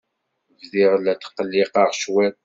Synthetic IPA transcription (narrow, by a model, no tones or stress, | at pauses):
vðiʁlæt̪ːə̥qːəlːɪqɑʁʃwæ